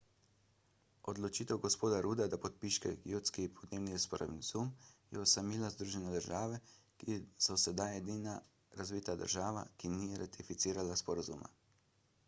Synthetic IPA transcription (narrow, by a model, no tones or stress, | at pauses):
ɔd̪lɔt͡ʃiːt̪ɛwɡɔspoːd̪aɾuːd̪ad̪apɔt̪̚piʃkɛ̰ɡjowt̪skipʰɔd̪neːwnispɔɾa̰ʋinzumjɛɔsamiːlazd̪ɾuːʒɛnɛd̪əɾʒaːʋɛ | kisɔsɛd̪ajɛd̪ina | ɾazʋiːt̪ad̪ə̰ɾʒaːʋa̰kiniɾat̪ifit̪siːɾalaspɔɾazuːma̰